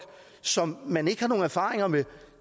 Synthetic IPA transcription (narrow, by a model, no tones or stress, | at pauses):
ɡ̥ | sɒ̽mːæne̝ɡ̥əhɑ̈no̝ːn̩æɐfɑ̈ːʁeŋɐme